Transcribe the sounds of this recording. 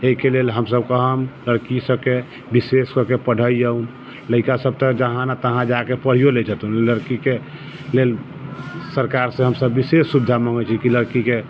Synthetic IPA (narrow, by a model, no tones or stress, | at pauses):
eikelelɦəmsəb̚kəɦəmləɽkisəb̚ke | biseskəkepəɽ̤əijəun | ləɪkasəb̚t̪əkd͡ʒəɦãnat̪əɦãd͡ʒakepəɽ̤ijoled͡ʒət̪unləɽkike | lel | səɾkaɾsẽɦəmsəbːisesːubid̪ʱaməŋɡət͡ʃʰikiləɾkike